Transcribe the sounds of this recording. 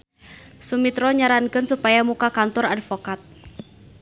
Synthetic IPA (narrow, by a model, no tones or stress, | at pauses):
sumit̪ɾɔɲaɾankɨnsupajamukakant̪ɔradfɔkat̪̚